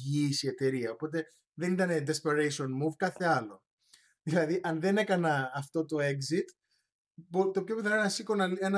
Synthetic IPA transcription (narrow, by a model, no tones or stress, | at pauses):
iːsie̞t̪e̞ɾiɐo̞po̞t̪e | ðe̞nit̪ɐne̞d̪espeɾejsionmuvkɐθe̞ɐlo̞ | ðilɐðiʔɐnðe̞ne̞kɐnɐːft̪o̞t̪o̞e̞kzit̪ | bot̪o̞pço̞piθɐnoenɐsikonɐen